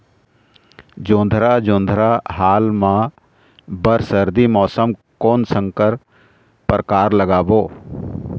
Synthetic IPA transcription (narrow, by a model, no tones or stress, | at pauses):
d͡ʒõːnd̪ʱɾaːd͡ʒõːnd̪ʱɾaɦaːlmã | bəɾsəɾd̪imɔːsəmkoːnsə̃ŋkəɾ | pəɾəkaːɾləɡaːboː